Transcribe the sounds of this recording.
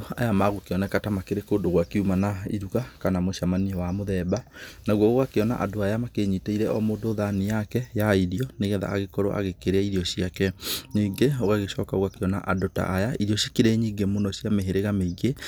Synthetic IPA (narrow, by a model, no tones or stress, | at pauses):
a̰jamaɣokeɔnɛkatamakeɾekoːdoɣwakeumanaḭɾukakanamoʃamaniɔwamoðɛbanaɣwɔɣoɣakeɔna̰ʔa̰doajamakeɲiteiɾɛʔɔmoːdoːðanejakɛjaiɾiɔneɣɛða̰ːɣekɔɾo̰ʔa̰ɣekeɾeaiɾiɔɕiakɛɲiɡeoɣaɣeʃɔkaoɣakeɔna̰ʔadota̰ʔːjaiɾiɔɕekeɾɛɲiːŋɡemonɔɕiameɦeɾeɣameiɣe